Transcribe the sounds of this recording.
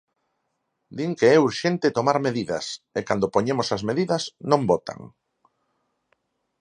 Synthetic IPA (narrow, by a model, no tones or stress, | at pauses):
d̪iŋkeɛuɾʃent̪ɪt̪omaɾmeðiðɐ̰sekand̪opoɲemosɐzmeðiðɐsnõmbɔt̪a̰ŋ